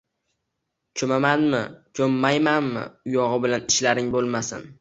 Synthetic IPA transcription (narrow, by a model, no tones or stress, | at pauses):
t͡ʃʰomamanmɪ̰t͡ʃʰomːajmanmɪ̰ʊjɒʁɨbɪlanɪʃlaɾɪŋbolˠmasɪ̰n